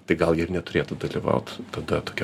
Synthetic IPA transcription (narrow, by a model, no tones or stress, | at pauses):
t̪ɐɪɡɐlˠjɪrnʲɛt̪ʊɾʲeːt̪ʊd̪ɐlʲiʋɐ̰ʊt̪t̪ɐd̪ɐt̪oːkʲ